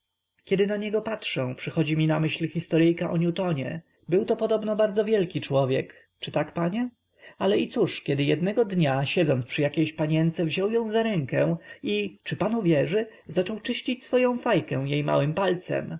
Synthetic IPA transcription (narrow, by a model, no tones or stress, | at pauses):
kʲɛd̪ɘnaɲɛɡɔpatʂɛ̃pʂɘxɔd͡ʑimʲinamɘɕlxʲist̪ɔɾɘjkaʔɔɲut̪ɔɲɛ̰ | bɘwt̪ɔpɔd̪ɔbnɔbaɾd̪zɔvʲjɛlkʲit͡ʂwɔvʲjɛk | t͡ʂɘt̪akpaɲɛ | alɛit̪suʂkʲɛd̪ɘjɛd̪nɛɡɔd̪ɲaɕɛd̪zɔnpʂɘjakʲejɕpaɲɛnt̪sɛvʑɔwjɔ̃w̃zaɾɛŋkɛ̃w̃it͡ʂɘpanuvʲjɛʐɘ | zat͡ʂɔwt͡ʂɘɕt͡ɕit͡ɕsfɔjɔ̃w̃fajkɛ̃w̃jejma̰wɘmpalt̪sɛ̰m